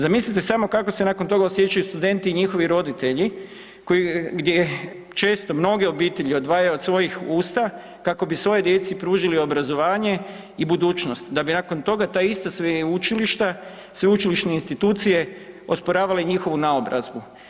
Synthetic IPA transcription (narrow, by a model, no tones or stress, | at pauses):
zamislit̪̬esamo̞kako̞se̞nakont̪o̞ɡaosje̞t͡ʃajust̪ud̪e̞nt̪iːɲixo̞ʋiɾo̞d̪it̪e̞ʎi | ko̞jiɡd̪je̞ | t͡ʃe̞ːst̪o̞mno̞ɡeo̞biːt̪e̞ʎio̞d̪ʋaːjajuod̪sʋo̞jixuːst̪a | kako̞bisʋo̞jed̪je̞t̪sipɾuːʒilio̞bɾazo̞ʋaːɲe̞ | ibud̪uːt͡ʃno̞st̪d̪abinako̞nt̪o̞ɡat̪aːist̪asʋeut͡ʃiliʃt̪a | sʋeut͡ʃiliʃneinst̪it̪uːt̪sije̞o̞spoɾaːʋaleɲixo̞ʋunaobɾa̰zbu